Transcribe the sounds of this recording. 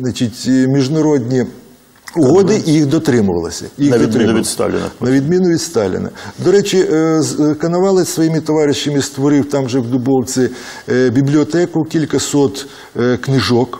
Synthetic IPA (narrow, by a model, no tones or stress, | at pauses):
nɐt͡ʃitʲmʲiʒnɐɾɔdʲnʲi | ʊɦɔd̪ɪʔjixd̪ɔt̪ɾɪmʊʋɐ̰lˠɪsʲɐ̰jiɣnɐdd̪ʲɪnist̪ɑ̰lʲɪ̰nɐ̰nnɐʋʲid̪mʲinʊʋʲid̪st̪ɑlʲɪ̰nɐ̰d̪ɔɾɛt͡ʃʲi | kɐnɐʋɑlˠɪsʋɔjimɪt̪ɔʋɑɾɪʃːɐmɪst̪ʋɔɾɪwt̪ɑmʒɛwd̪ʊbɔw̪t͡ssʲɪ | bʲiblʲiɔt̪ɛkʊkʲilʲkɐsɔt̪ | knɪʒɔk